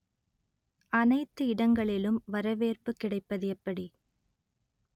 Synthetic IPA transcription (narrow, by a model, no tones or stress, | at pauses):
ʔɐnɐɪt̪ːɯɪɽɐŋɡɐɭɪlɯmʋɐɾɐʋeːrpɯkːɪɽɐɪpːɐðɯjɛpːɐɽi